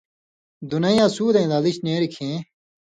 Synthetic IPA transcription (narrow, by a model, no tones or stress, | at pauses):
d̪unɐjãːsuːd̪ẽːd̪aliɕneːɾikʰẽ